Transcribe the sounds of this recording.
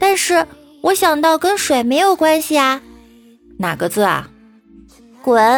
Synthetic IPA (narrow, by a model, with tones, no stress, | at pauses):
t̪a˥˧nʂɻ̩˥˩ | wɔ˧˥ɕjɑ˨˩ŋt̪ɑ˥˩ʊkə˥nʂwe˨˩ɪme˧˥ɪjo˨˩ʊkwa˥nɕi˨ɐ˩ | na̰˨˩ɡə˦t͡sɹ̩˥˩ɐ̰˩ | kwə˧˥˦